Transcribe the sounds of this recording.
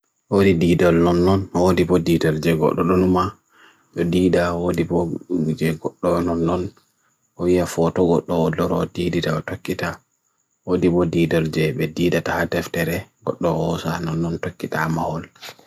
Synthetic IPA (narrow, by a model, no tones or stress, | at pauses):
wodidiːdɔlnɔnːɔnwodibɔdiːdɔɾd͡ʒɛɡɔ̰ɗːɔɗɔnuma | ɗɔdiːdawodibɔd͡ʒɛɡɔɗːɔnɔnːɔn | ʔɔwijafɔtɔɡɔɗːɔɔdɔɾɔdiːditaɔtokːita | wodibɔdiːdɔld͡ʒɛbɛdiːdatahatɛftɛɾɛɡɔɗːɔhɔsa̰nɔnːɔntokːitamahɔl